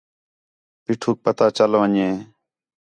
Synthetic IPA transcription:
piʈʰuːk̚pət̪aːt͡ʃəlʋəɲẽː

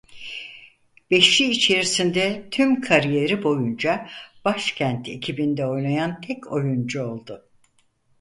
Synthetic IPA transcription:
b̥eʃiːt͡ʃʰe̞ɾisind̪ɛt̪ʰymkʰaɾije̞ɾibo̞jund͡ʒab̥aʃcʰænt̪ʰe̞̰cʰibind̪ɛo̞jnajant̪ʰɛcʰo̞jund͡ʒuo̞lˠd̪ʊ

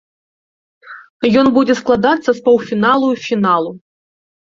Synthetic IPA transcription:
jɔnbud͡zʲɛsklˠad̪at̪sːɐspɐwfʲinalˠufʲinalˠu

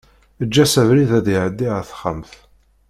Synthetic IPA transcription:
əd͡ʒːæsævɾiðæðiʕəd̪ːiʁaθə̥χə̰mθ

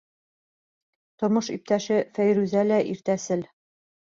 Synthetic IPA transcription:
t̪ŏɾmɤʃip̚t̪æʃɘfæjɾʉzælæʔiɾt̪æsɘl

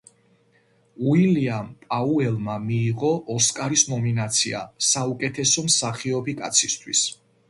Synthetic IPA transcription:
uiliampʼauɛlˠmamiːʁɔʔɔskʼaɾisnɔminat̪sʰia̰saukʼɛt̪ʰɛsɔmsaχiɔbikʼat̪sʰist̪ʰwis

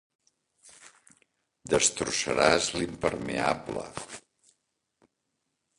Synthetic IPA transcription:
d̪əst̪ɾusəɾazlimpəɾmeablə̰

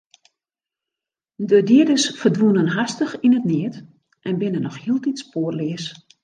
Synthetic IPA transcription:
dədiədəsfərdʋunənɦastəxinətnɪət | ʔɛnbɪnənɔxhiəlˠtitspoərlɪəs

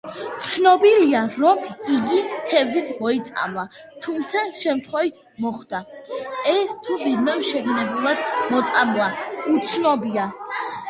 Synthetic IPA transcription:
t̪sʰnɔbiliaɾɔkʰiɡit̪ʰɛvzit̪ʰmɔit̪sʼa̰mlˠa | t̪ʰumt̪sʰaʃɛmt̪ʰχwɛvit̪̚ʰ | mɔχd̪̥aɛst̪ʰuvidmɛmʃɛɡnɛbulˠad̪̥mɔt̪sʼamlˠaut̪sʰnɔbia

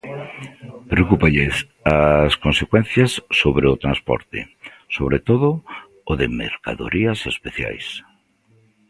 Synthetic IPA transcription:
pɾeokupaʎes | askonsekwɛn̟θjɐsːoβɾeʊt̪ɾanspɔ̰ɾt̪ḛ | soβɾet̪oðʊː | ðemḛɾka̰ðo̰ɾiɐsespeθja̰js

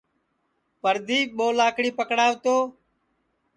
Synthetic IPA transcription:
pəɾd̪ʱiːɓoːlaːkɽiːpəkɽaːʋt̪oː

